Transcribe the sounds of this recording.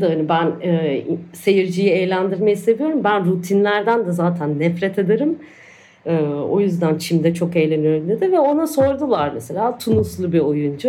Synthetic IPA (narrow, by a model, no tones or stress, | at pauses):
d̪aanibænɛːse̞jiɾd͡ʒijiejlʲænd̪iɾmajse̞vijo̞ɾumbænɾut̪ʰinlʲæɾd̪ænd̪ɛzaːt̪ʰænːɛfɾɛt̪ʰed̪eɾɯm | ɯːo̞̰jyzd̪ænt͡ʃʰimd̪ɛt͡ʃʰo̞kejlʲe̞nyjo̞ɾumd̪ʲed̪ɪvɛo̞naso̞ɾd̪ulˠaɾmese̞lʲaːt̪ʰunuslˠubio̞jund͡ʒu